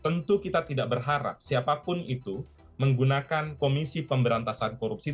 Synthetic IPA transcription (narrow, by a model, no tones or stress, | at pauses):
t̪ənt̪ukit̪at̪idaʔ̚bərɦaɾa̰p̚siapapʊnit̪u | məŋɡunakankomisipəmbəɾant̪asankoɾup̚si